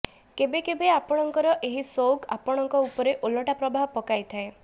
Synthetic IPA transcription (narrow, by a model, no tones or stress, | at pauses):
kebekebeapɔɽ̃ɔŋkɔɾɔʔeɦisowka̰pɔɽ̃ɔŋkɔupɔɾeʔolɔʈapɾɔbaɦɔpɔkajt̪ʰae